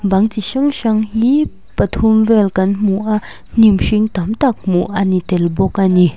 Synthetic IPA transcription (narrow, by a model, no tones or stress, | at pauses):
baŋt͡siʃaŋʃaŋɦi | pɐt̪ʰumvɛlkɐnmuʔa | n̥imʂiŋt̪amt̪ak̚muʔanit̪ɛlbɔkʔani